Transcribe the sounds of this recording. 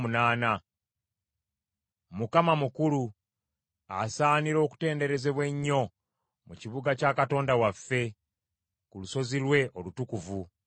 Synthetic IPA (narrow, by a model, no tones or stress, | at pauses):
munaːna | mukamamukulu | a̰saːniɾo̞ːku̥te̞ːnde̞ɾe̞ze̞βwe̞ɲːo̞ | muciβuɡacaːkato̞ːndawafːe̞ | kuluso̞zilwe̞ʔo̞lutukuvu